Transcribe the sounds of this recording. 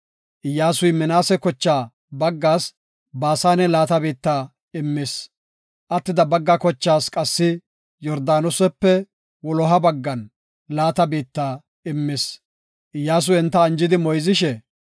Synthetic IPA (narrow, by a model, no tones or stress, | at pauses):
ʔɪjːaːsʊjmɛnaːsɛkɔt͡ʃːaː | bɐɡːaːs | baːsaːnɛlaːt̪ɐbiːt̪ːaː | ɪmːɪs | ʔɐt̪ːɪd̪ɐbɐɡːakɔt͡ʃːaːskʼɐsːɪ | jɔɾd̪aːnɔsɛpːɛ | wɔlɔɦɐbɐɡːɐn | laːt̪ɐbiːt̪ːaː | ɪmːɪs | ʔɪjːaːs̬ʊjɛnt̪ːɐːnd͡ʒɪd̪ɪmɔjzɪʃɛ